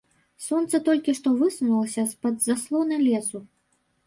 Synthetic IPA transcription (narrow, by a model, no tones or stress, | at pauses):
sɔnt̪sɐt̪ɔlʲkʲiʂt̪ɔvɨsunulˠɐsʲɐspɐd̪zaslˠɔnɐlʲɛsu